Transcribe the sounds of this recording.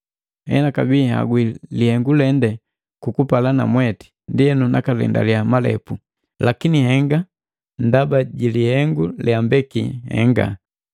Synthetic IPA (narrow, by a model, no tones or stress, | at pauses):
hɛ̰nakabiha̰ɡwilihɛŋɡulɛndɛ | kukupalana̰mwɛti̥ | ndiɛnunakalɛ̰nda̰liamalɛ̰pu | lakinihɛŋɡa | ndabaɟilihɛŋɡuljambɛkḭhɛ̰ŋɡa̰